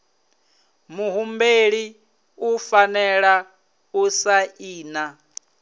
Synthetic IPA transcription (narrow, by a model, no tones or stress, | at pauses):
muɦumbeɺi | ufanɛɺa | usaiːna